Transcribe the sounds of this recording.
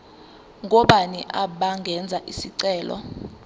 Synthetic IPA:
ŋʱɔɓaniʔaɓaŋɡʱɛnd͡zʱaʔisiǀɛːlɔ̰

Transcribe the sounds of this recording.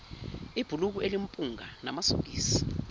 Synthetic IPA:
ib̥ʱuluk̬uʔelimpʼuŋanamaso̰k̬iːsi̥

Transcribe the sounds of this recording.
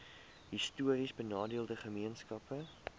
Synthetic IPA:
ɦistuəɾisbənɑːdiəlˠdəχəmiənskɐpə

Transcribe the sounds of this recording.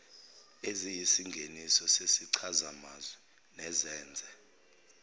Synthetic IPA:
ezijisiŋɡʱenisɔsesiǀʰazamazwɛ | nɛzɛːnd͡zʱɛ

